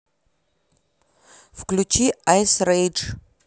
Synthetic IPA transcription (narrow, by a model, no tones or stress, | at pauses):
vklut͡ʃʰiajsrejʈ͡ʂʰʼ